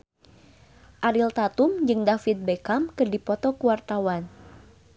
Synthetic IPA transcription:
ʔaɾilt̪at̪umd͡ʒɨŋdafit̪̚bekamkɨrdipɔt̪ɔkuwart̪awan

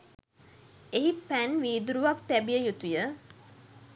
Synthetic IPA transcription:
eɦipænʋiːd̪uɾuʋakt̪æbijəjut̪ujə

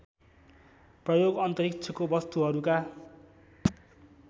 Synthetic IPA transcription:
prʌjoɡʌnt̪ʌɾikt͡sʰʌkobʌst̪uɦʌɾuka

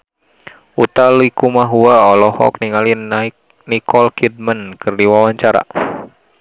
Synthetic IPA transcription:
ut̪alikumaɦuaɔlɔhɔ̰kniŋalina | nikɔlkʰid̚mənkɨrdiwawaɲt͡ʃaɾa̰

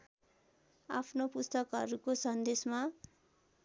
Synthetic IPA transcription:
a̰pʰnopust̪ʌkɦʌɾukosʌnd̪esma

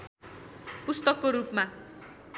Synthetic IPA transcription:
pust̪ʌkːoɾupma

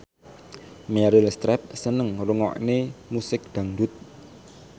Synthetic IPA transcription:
mɛɾilst̪ɾɛp̚sənəŋruŋɔ̰ʔnemusɪk̚d̪̥a̤ŋdʊt̪̚

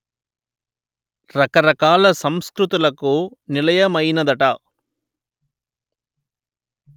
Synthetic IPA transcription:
ɾɐkɐɾɐkaːlɐsɐmskɾut̪ulɐkunɪlɐjɐmɐjnɐd̪ɐʈaː

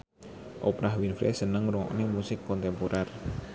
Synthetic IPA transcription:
ʔopɾahwinfɾɛ̰sənəŋɾuŋɔ̰knimusɪkːɔnt̪ɛmpoɾʔar

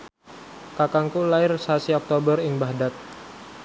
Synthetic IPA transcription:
kakaŋkulaɪrsasiɔk̚t̪obərɪŋbahdat̪̚

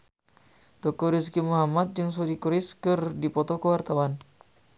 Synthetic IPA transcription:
t̪ɔkɔɾis̬kimuɦamat̪̚d͡ʒɨŋs̬odikuɾɪskɨrdipɔt̪ɔkəwart̪awan

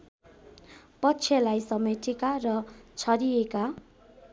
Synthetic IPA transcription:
pʌtːt͡sʰelajsʌmetʰekarʌt͡sʰʌɾijeka

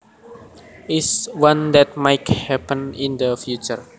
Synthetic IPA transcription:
iswãndɛt̚majthɛpə̃nĩndəfjut͡ʃər

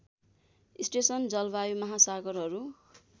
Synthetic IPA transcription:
isʈesʌnd͡zʌlbajumʌɦasaɡʌrɦʌɾu

